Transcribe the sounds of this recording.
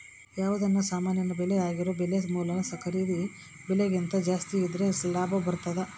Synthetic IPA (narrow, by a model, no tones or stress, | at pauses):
jaːʋud̪ɐnːɐsaːmaːnjɐnɐbɛleaːɡiɾoːbelesmuːlɐnɐsɐkʰɐɾid̪i | beleɡint̪ɐd͡ʒaːst̪iːd̪ɾelaːbʱɐbɐɾt̪ɐd̪e